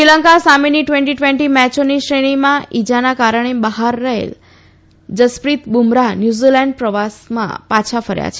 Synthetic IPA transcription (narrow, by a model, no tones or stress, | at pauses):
ʃiləŋkasameniʈʋɛ̃ɳʈiʈʋɛ̃ɳʈimɛt͡ʃoniʃɾeɽ̃imãid͡ʒanakaɾəɳ̃ebəɦaɾːəɦḛl | d͡ʒəspɾit̪bumɾanjuzilɛɳɖ̚pɾəʋasmã̰pat͡ʃʰafəɾja̰t͡ʃʰe